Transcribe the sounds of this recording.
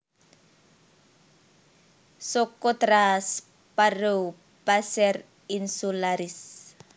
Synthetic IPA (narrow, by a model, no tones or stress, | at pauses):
sokɔt̪ɾas | paɾow | pasɛr | insulaɾis